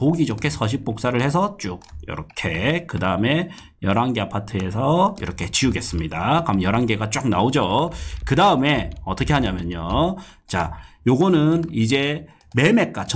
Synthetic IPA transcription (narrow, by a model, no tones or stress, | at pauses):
poɡid͡ʑokʰe̞sʰʌɕ̬ʰik̚p͈ok̚s͈aɾɯɭhe̞s̬ʰʌt͡ɕ͈uk̚jʌ̰ɾʌkʰe̞kɯdaɯme̞ | jʌɾaŋɡe̞apʰatʰɯesʰʌḭɾʌkʰe̞t͡ɕiuɡe̞s͈ɯmɲidakamjʌɾaŋɡe̞ɡat͡ɕ͈ak̚naod͡ʑokɯdaɯme̞ʌt͈ʌkʰe̞ɦaɲamjʌɲo | t͡ɕajoɡʌnɯnid͡ʑe̞ | me̞me̞k̚k͈at͡ɕ